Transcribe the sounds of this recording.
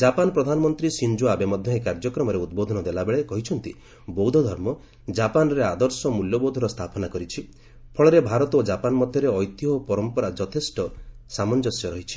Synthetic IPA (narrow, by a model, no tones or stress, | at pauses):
d͡ʒapanɔpɾɔd̪ʱanɔmɔnt̪ɾisind͡ʒuabemɔd̪ʱjɔekaɾd͡ʒɔkɾɔmɔɾeud̪̚bod̪ʱɔnɔd̪elabeɭekɔɦit͡ʃʰɔnt̪i | bɔwd̪ʱɔd̪ʱɔɾmɔ | d͡ʒapanɔɾead̪ɔɾsɔmuljɔbowd̪ʱɔɾɔst̪ʰapɔnakɔɾit͡ʃʰi | pʰɔɭɔɾebʱaɾɔt̪ɔod͡ʒapanɔmɔd̪ʱjɔɾeɔjt̪jɦɔpɔɾɔmpɔɾad͡ʒɔt̪ʰesʈɔsamɔnd͡ʒɔsjɔɾɔɦit͡ʃʰi̥